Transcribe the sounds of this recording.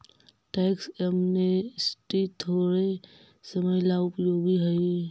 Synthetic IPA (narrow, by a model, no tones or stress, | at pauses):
ʈaksemnesʈit̪ʰoɾe | səməjlaʊpjoɡiɦəj